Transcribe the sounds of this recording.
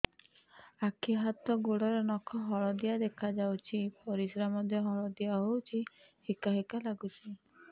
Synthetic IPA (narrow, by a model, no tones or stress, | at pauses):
akʰiɦat̪ɔɡoɽɔɾenɔkʰɔɦɔɭɔd̪ijad̪ekʰad͡ʒawt͡ʃʰipɔɾisɾamɔd̪ʱjɔɦɔɭɔd̪ijaɦowt͡ʃʰi | hikaɦikalaɡut͡ʃʰi